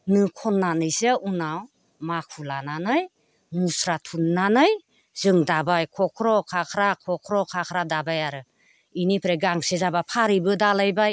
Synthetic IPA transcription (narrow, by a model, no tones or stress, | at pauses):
nɯkʰɔnːanɯjseunaw | makʰulananɯj | musɾatʰunːanɯj | zɯŋdabajkʰɔkʰɾɔkʰakʰɾakʰɔkʰɾɔkʰakʰɾadabajaɾɯ | inipʰɾeɡaŋsezabapʰaɾibɯdalajbaj